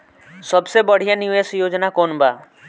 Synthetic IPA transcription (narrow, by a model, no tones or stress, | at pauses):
səbsebəɽ̤ijanɪʋeːsjoːd͡ʒnakoːnbaː